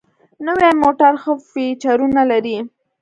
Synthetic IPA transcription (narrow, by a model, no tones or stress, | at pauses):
nəwemoʈaɾxəfit͡ʃaɾunalaɾi